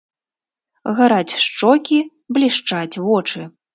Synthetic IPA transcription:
ɣaɾat͡sʲʂt͡ʂɔkʲi | blʲiʂt͡ʂat͡sʲvɔt͡ʂɨ

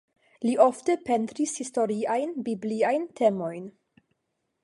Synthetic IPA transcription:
liʔoftepe̞ntɾishisto̞ɾiajnbibliajntʰe̞mo̞jn

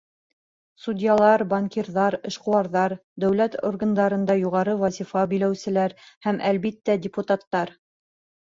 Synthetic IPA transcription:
sudʲjɑlˠɑɾbaŋkʲiɾðɑɾɘ̆ʃquɑɾðɑɾd̪æwlæt̪o̰rɡɤnd̪ɑɾɤ̆nd̪ɑjuʁɑɾɤwɑzʲifɑbilæwsɘ̆læɾhæmʔælβit̪ːædʲɪput̪at̪ːɑɾ

